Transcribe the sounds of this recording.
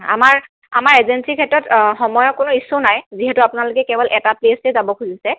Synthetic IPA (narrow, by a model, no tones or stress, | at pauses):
a̰maɹ | a̰maɹezensikʰɛtɹɔtxɔmɔjɔkʊnʊisʊnajziɦɛtʊapʊnalʊkɛkɛbɔlʔɛtaplesezabɔkʰuzisɛ